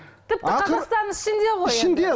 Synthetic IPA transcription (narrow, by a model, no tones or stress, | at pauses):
t̪ʰɪp̚tqʰɑɑst̪ɑɾnəzɪʃɪnd̪e̞ʁoɪʃɪnd̪e